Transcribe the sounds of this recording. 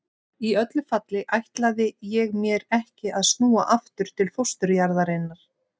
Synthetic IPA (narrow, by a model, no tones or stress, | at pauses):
iœt̪lʏfat̪lɪʔajht̪laðɪjɛɣmjɛɾɛhcɪaðsnuːa̰ʔaft̪ʏɾ̥t̪ʰɪlfowst̪ʏɾjaɾðaɾenːaɾ̥